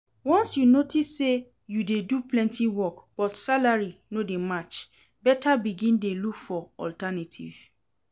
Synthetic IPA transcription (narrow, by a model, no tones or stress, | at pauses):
wɔ̃nsjunotisːe | judeduplɛ̃ntiwɔkb̥ɔtsalaɹinodemat͡ʃ | bɛtabiɡĩndelukfɔɔ̰ltanatʰḭv̥